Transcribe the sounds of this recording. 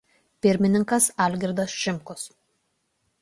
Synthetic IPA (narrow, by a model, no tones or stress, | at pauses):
pʲɪɾʲmʲɪnʲɪŋkɐsɑˑlʲɡʲɪɾd̪ɐsʃʲɪmkʊs